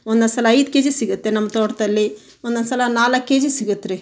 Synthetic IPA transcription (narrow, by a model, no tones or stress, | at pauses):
ond̪ɐnsɐlɐɐjd̪keːd͡ʒisiɡut̪ːenɐmːɐt̪oːʈɐd̪ɐlːi | ond̪ɐnsɐlɐnaːlɐkːeːd͡ʒisiɡut̪ːɾe